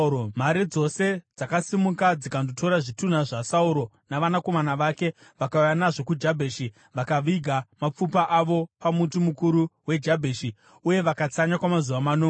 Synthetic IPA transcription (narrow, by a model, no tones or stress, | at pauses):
m̤aɾid͡zo̞se̞d͡zakasimukad͡zikandoto̞ɾaʐitun̤aʐasauɾo̞ | naʋanako̞manaʋake̞ | ʋakaujanaʐo̞kud͡ʒabʱeʃi | ʋakaʋiɡʱamap͡fupaʔaʋo̞pamutumukuɾuwe̞d͡ʒabʱeːʃi | uje̞ʋakat͡saɲakwamazuʋamanoː